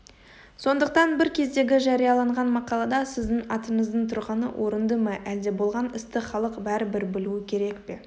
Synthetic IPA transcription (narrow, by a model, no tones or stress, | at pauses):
so̞nd̪əq̚t̪ɑnbɪɾkʲʰe̞zd̪e̞ɡʲɪʒɑɾijɑlˠɑɴʁɑnmɑqɑlˠɑd̪ɑsɪzd̪ɪŋɑt̪əɴəzd̪əɴt̪ʰʊɾʁɑnə̰wʔo̞ɾənd̪əmɑʔæld̪e̞bo̞lˠʁɑnɪst̪ɪχɑlˠəqbæɾɪbɪɾbɪluɪkʲʰe̞ɾe̞kpe̞